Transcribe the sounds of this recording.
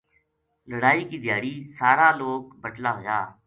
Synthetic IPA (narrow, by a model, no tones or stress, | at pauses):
ləɽaːiːkiːd̪ɪjaːɽiːsaːɾaːloːkbəʈlaːɦoːjaː